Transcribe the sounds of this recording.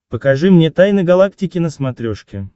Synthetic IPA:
pəkɐʐɨmnʲet̪ajnɨɡɐlˠak̚tʲɪkʲɪnəsmɐt̪ɾʲoʂkʲɪ

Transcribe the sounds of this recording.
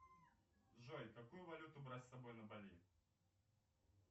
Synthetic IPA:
ʐojkɐkujʊvɐlʲut̪ʊbɾatʲsɐbo̞jnəbɐlʲi

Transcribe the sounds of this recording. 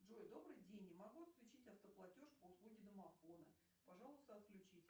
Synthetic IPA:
ʐojd̪o̞bɾɨjdʲenʲːɪmɐɡuɐt̪klʲʉt͡ɕitʲɐft̪əplˠɐtʲoʂpəʊslˠuɡʲɪd̪əmɐfo̞nə̰ | pɐʐɑlˠəst̪əɐt̪klʲʉt͡ɕitʲ

